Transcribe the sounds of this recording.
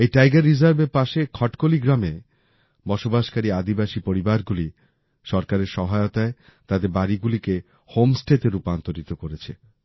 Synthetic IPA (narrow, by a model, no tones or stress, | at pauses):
ejʈajɡaɾːizaɾbeɾpaʃekʰɔʈkoliɡɾame | bɔʃobaʃkaɾiad̪ibaʃipoɾibaɾɡuli | ʃɔɾkaɾeɾʃɔɦaeot̪ae | t̪ad̪eɾbaɾiɡulike | homsʈeʈeɾupant̪oɾit̪okoɾet͡ɕʰḛ